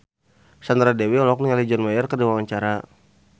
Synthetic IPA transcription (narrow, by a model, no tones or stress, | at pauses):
sand̪ɾadewiɔlɔk̚nialid͡ʒɔnmajərkərdiwawaɲt͡ʃaɾa